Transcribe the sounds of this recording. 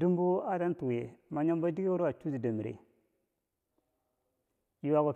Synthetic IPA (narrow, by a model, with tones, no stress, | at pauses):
du˦mbu˦a˦ta˦n˦tu˨je˨ma˨ɲa˦mba˦di˦ɡi˦wu˦ɾwa˨t͡ʃu˦d͡ʒi˨da˨mi˨ɾḛ˨ | ju˦wa˦ko˦